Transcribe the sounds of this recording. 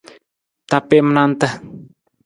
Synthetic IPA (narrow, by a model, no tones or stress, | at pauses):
t̪apimənant̪əh